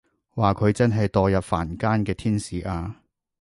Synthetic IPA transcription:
waː˨kʰɵ˨˧ɥt͡sɐ˥nɦɐ˨jt̪ɔː˨jɐ˨p̚fa̰ː˨˩nkaː˥nkɛː˧t̪ʰiː˥nsiː˨ʔaː˧

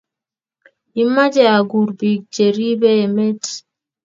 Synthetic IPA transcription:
i˨ma˦d͡ʒɛ˨a˨ɡu˨ɾbi˨ɡ̚d͡ʒe˨ɾi˦bɛ˦˨mɛ˦t

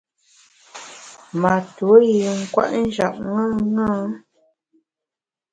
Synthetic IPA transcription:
ma˨tu˨o˦ji˨ŋ̩˦˨kwa̰˦ʔn̩˦d͡ʒa̰˨ʔ̚ŋã˦˨ŋãː˦

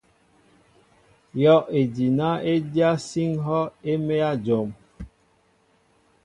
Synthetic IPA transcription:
jɔ˦ʔe˨di˨na˦e˦dja˦si˦ŋɦɔ˦e˦me˦a˦d͡ʒo˨m

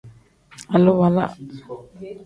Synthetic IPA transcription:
a˨lo˦βa˨la̰˦˨ʔ

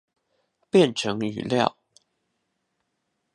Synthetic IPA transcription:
pjɛ˥˨nʈ͡ʂʰɤ˧˦˥ŋy̰˨˩ljɑ̰˥˩ʊ

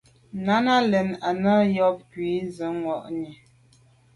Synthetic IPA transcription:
na˦na˦lɛ˨na˨nə˦jɔ˦p̚kɥi˨˦zə˨˦ŋwɔ˨ʔɲe˨

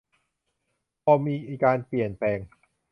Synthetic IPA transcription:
pʰɔː˧miː˧ʔkaː˧npli˨˩ənplɛː˧ŋ

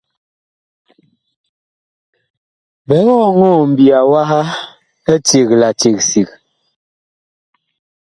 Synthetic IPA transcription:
bɛ˨˦ŋɔ˦˨ŋɔ˦˨m̩˨bi˨a˨wa˦ha˦ | ɛ˦t͡ʃe˨kla˨t͡ʃe˨k̚si˨k̚

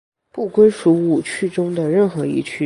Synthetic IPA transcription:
pu˥˩kwe˥ɪʂu˧˥u˥˩t͡ɕʰy˥˩ʈ͡ʂʊ˥ŋd̪ə˨ɻə˥˩nxɤ˧˥ḭ˥˩t͡ɕʰy˥

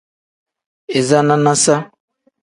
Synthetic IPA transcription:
e˨za˦nã˦nã˦sa˦

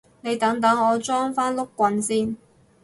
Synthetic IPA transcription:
ne˨˧jt̪ɐ˨˥ŋt̪ɐ˨˥ŋɔː˨˧t͡sɔː˥ŋfaː˥nlʊ˥kːʷɐ˨˥nsiː˥˩n

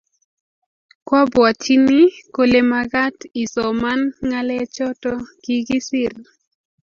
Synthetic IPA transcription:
kwa˦bwa˨tʰi˦ni˦ko˦le˦ma˦ɡa˦ti˨sɔ˨ma˦nŋa˦lɛ˦t͡ʃɔ˦tɔ˦ɡ̥i˦ɡɪ˦sɪ˦r

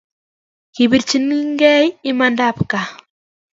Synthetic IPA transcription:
ki˨bi˨ɾt͡ʃi˦ni˦ŋɡɛ˦jɪ˦ma˨nda˦˨pka˨

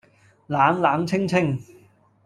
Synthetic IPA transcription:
laː˨˥mlaː˨˥mt͡sʰɪ˥ŋt͡sʰɪ˥ŋ

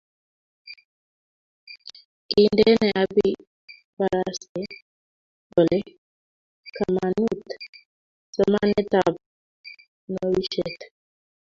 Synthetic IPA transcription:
ki˨ndɛ˦nɛ˨ʔa˨bi˦ | ba˨ɾasɛ˦ | bɔ˨lɛ˦ | kama˨nu˦t̪ | sɔ˨ma˦nɛ˦t̪ab̚ | nɔ˦wi˦ʃɛt̪

